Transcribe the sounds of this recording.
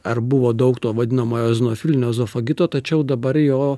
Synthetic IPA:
ɐɾbʊʋoːd̪ɐʊkt̪oːʋɐd̪ʲɪnɐmoːjoːzʲɪnoːfʲɪlʲɪnʲoːzoːfɐɡʲɪt̪oːt̪ɐt͡ʃʲɛʊd̪ɐbɐɾjoː

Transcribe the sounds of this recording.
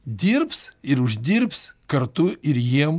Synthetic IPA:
d̪ʲiɾpsɪɾʊʒʲd̪ʲiɾpskɐɾt̪ʊʔɪɾjiɛm

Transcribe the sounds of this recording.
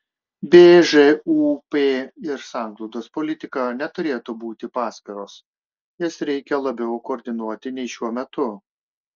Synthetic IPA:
bʲeːʒeuːpeːɪɾsɑˑŋɡlˠɔʊd̪oːspɔlʲɪt̪ʲɪkɑnʲɛt̪ʊɾʲeːt̪ʊbuːt̪ʲɪpɑːsʲkʲɛɾoːs | jɪsɾʲɛɪkʲɛlˠɐbʲɛʊkoːɾʲd̪ʲɪnuɔt̪ʲɪnʲɛɪʃʲuɔmʲɛt̪ʊ

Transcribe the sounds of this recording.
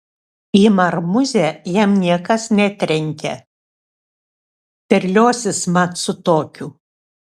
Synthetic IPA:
iːmɐɾmʊzʲɛjɛmnʲiɛkɐsnʲɛt̪ʲɾʲɛŋʲkʲɛ̰ | pʲɛɾʲlʲoːsʲɪsmɐt̪sʊt̪oːkʲuː

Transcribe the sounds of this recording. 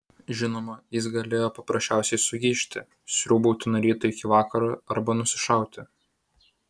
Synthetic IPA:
ʒʲɪnoːmɐjɪs̬ɡɐlʲeːjoːpɐpɾɐsʲt͡ʃʲæˑʊsʲɛɪsʊɡʲiːʃʲt̪ʲɪ | sʲɾʲuːbɐʊt̪ʲɪnoɾʲiːt̪ʊɪkʲɪʋɑːkɐɾɑɐɾbɐnʊsʲɪʃɑˑʊt̪ʲɪ

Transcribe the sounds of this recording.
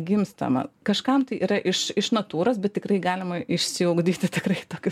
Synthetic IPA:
ɡʲɪmst̪ɐ̰mɐ̰kɐʃkɐmt̪ɐɪʔḭːɾɐʔɪʃɪʃnɐt̪uːɾoːs̬bʲɛt̪̚t̪ʲɪkrɐɪɡɑːlʲɪmɐɪʃʲsʲɪɐʊɡd̪ʲiːt̪ʲɪt̪ʲɪkrɐɪt̪oːkʲʊ

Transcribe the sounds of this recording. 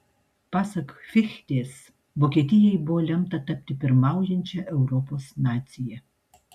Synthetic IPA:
pɑːsɐkfʲɪxʲt̪ʲeːs | bokʲet̪ʲɪjɛjboɔlʲɛmt̪ɐt̪ɐp̚ʲt̪ʲɪpʲɪɾmɑˑʊjɛnʲt͡ʃʲɛʔɛʊɾoːpoːsnaːt̪sʲɪjɛ

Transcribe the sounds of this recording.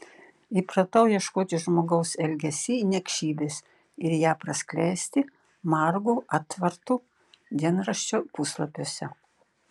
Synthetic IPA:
ipɾɐt̪ɐʊjiɛʃkoːt̪ʲɪʒmoːɡɐʊsɛlʲɡʲɛsʲinʲɛkʃʲiːbʲeːs | ɪɾjæːpɾɐsʲklʲæˑsʲt̪ʲɪ | mɑɾɡuːʔɑːt̪ʋɐɾt̪uː | d̪ʲiɛnɾɐʃʲt͡ʃʲoːpuslˠɐpʲoːsʲɛ

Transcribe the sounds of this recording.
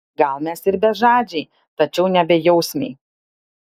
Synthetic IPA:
ɡɐlˠmʲɛsɪɾbʲɛʒɑːd͡ʒʲɛɪ | t̪ɐt͡ʃʲɛʊnʲɛbʲɛjɛʊsʲmʲɛ̰ɪ

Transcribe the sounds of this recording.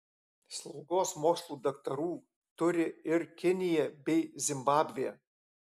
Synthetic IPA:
slˠʊɡoːsmoːkslˠuːd̪ɐkt̪ɐɾuː | t̪ʊɾʲɪɪɾkʲɪnʲɪjɛbʲɛɪzʲɪmbɑːbʲʋʲɪjɛ̰

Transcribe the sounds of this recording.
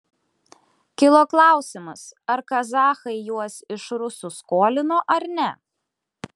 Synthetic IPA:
kʲɪlˠoːklˠɑˑʊsʲɪmɐsɐɾkɐzɑːxɐɪjuɔsɪʃɾʊsuskoːlʲɪnoːʔɐɾnʲɛ

